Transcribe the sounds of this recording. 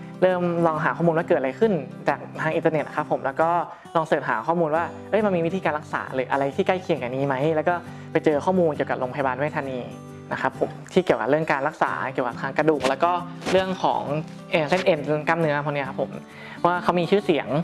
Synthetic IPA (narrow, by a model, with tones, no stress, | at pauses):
ɾɤː˥˩mlɔː˧ŋɦaː˩˦ɔ˥˩muː˧nwaː˥˩kɤː˨˩t̪̚aɾa˧jkʰɯ˥˩nt͡ɕaː˨˩k̚t̪ʰaː˧ŋʔi˧t̪ne˨˩t̪̚na˦˥kʰa˦˥pʰːo˨˩˦mlɛː˦˥wkɔː˥˩ | lɔː˧ŋsɤː˨˩t̪̚ɦa̰ː˩˦kʰɔː˥˩muː˧nwaː˥˩ʔɤ˧˥˩jma˧nmiː˧wi˦t̪ʰiː˧kaː˧nla˦˥k̚sa̰ː˩˦lɤː˨˩ʔa̰˧ɾa˧jt̪ʰiː˥˩ka˥˩jkʰi˧əŋka˨˩niː˦˥˩ma˦˥jlɛ˦˥wkɔː˥˩ | pa˧jt͡ɕɤː˧kʰɔː˥˩muː˧nki˨˩ka˨˩ɾo˧ŋpʰjbaː˧nwaː˥˩jt̪ʰaː˧niː˧ | na˦˥kʰa˦˥pʰːo̰˩˦mt̪ʰiː˥˩ki˨˩əwka˨˩p̚ɯ˥˩əŋkaː˧nɾa˦˥k̚sa̰ː˩˦ki˨˩əka˨˩pt̪ʰaː˧ŋkɾa˧duː˨˩k̚lɛː˦˥wkɔː˥˩ | ɾɯ˥˩əŋkʰɔ̰ː˩˦ŋ | ʔɤː˨˩se˥˩nʔe˧˩n˧ka˥˩mnɯ˦˥ɐpʰɔ˧ni˦˥ɐkʰa˦˥pʰːo̰˩˦m | pʰɔ˦˥waː˥˩kʰa˦˥wmiː˧t͡ɕʰɯː˥˩si˨˩˦əŋ